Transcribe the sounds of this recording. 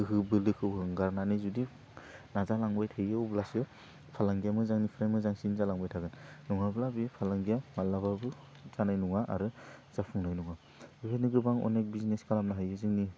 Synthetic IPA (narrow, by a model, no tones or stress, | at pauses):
ɯɦɯbɯlɯkʰɯwɦɯŋɡaɾnanizudi | nazalaŋbajtʰɯjɯwblasɯ | pʰalaŋɡijamɯzaŋnipʰɾamɯzaŋsinzalaŋbajtʰaɡɯnnuŋablabipʰalaŋɡijamalaβabɯ | zanajnuŋaʔa̰ɾɯz̥apʰɯŋnajnuŋa | bibʰeniɡɯbaŋɔ̰nek̚bizineskalamnaɦajɯzɯŋni